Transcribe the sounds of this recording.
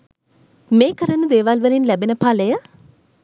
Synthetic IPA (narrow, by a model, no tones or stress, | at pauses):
meːkəɾənud̪eːʋalʋəɾinlæbenəpaːləjə